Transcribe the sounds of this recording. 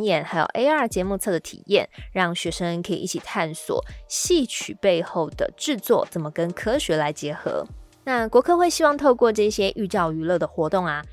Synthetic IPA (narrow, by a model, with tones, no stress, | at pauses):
njɛ˨˩nxa˧˥ɪjo̰˨˩ʊʔe˥ɪə˥˩t͡ɕjɛ˧˥mu˥˧t͡sʰɤ˥˩d̪ə˩t̪ʰḭ˨˩jɛ˥˩˨nɻɑ˥˩ŋɕɥɛ˧˥ʂə˦ŋkʰə˧˥i˨˩ʔi˥˩t͡ɕʰi˨˩t̪ʰa˥˩nswɔ̰˨˩˦ɕi˥˩t͡ɕʰy˨˩pe˥˧ɪxo˥˩ʊd̪ə̰˩ʈ͡ʂɻ̩˥˧t͡swɔ̰˥˩t͡sə˨˩nmə˦kə˦nkʰɤ˥ɕɥɛ˧˥la˧˥ɪt͡ɕjɛ˧˥xɤ̰˧˥˦ | na˥˩kwɔ˧˥kʰɤ˥˧xwe˥˩ɪɕi˥wɑ˥˧ŋt̪ʰo˥˧ʊkwɔ˥˧ʈ͡ʂɤ˥˧ɕjɛ˥ʔy˥˧t͡ɕjɑ˥˩ʊy˧˥lɤ˥˩d̪ə˩xwɔ˧˥t̪ʊ˥˩ŋa˩